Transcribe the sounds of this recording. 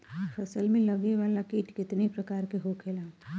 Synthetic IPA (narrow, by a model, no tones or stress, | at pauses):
fʰɐsəlmẽlɐɡneʋaːlakiːʈkɪt̪nepɾɐkaːɾkeɦoːkʰeːlaː